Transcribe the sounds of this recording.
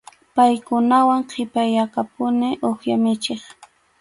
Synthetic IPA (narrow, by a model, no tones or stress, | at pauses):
pajkʊnawaŋqʰɪpajakapʊnɪʔoχjamɪt͡ʃeχ